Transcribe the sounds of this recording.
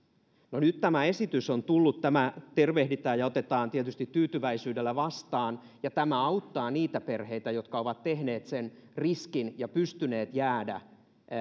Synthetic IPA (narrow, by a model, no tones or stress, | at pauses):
nonyt̪t̪ːæmæe̞sit̪ysont̪ulːut̪tæmæt̪erʋehdit̪æːjɑot̪et̪ɑːnt̪iet̪yst̪it̪tyːt̪yʋæisyːdelːæʋɑst̪ɑːn | jɑt̪æmæɑut̪ːɑːniːt̪æperhe̞it̪æjot̪kɑoʋɑt̪tehne̞ːt̪senriskinjɑpyst̪yne̞ːt̪jæːdæ̰